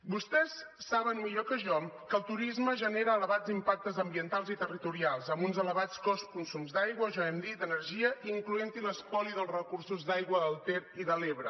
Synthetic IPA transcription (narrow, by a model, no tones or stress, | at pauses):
bust̪ɛsːaβənmiʎokəʒɔmkəlˠt̪uɾizməʒəneɾəːləβad͡zimpak̚t̪əzəmbiənt̪alˠzit̪ərit̪uɾialˠzəmbunzələβat͡skɔskunsumzd̪ajɣwəʒɔɛmd̪id̪ənəɾʒiəʔiiŋkluent̪inəspɔliðəlˠzrəkursuzd̪ajɣwəðəlˠt̪eɾiðəleβɾə